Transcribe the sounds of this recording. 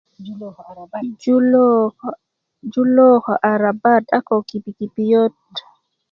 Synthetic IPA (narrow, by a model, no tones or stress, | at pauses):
d͡ʒulɔkɔʔaɾabatakɔkipikipijot